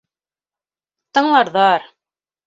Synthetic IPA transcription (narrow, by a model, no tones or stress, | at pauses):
t̪ɤ̆ɴlˠɑɾðɑɾ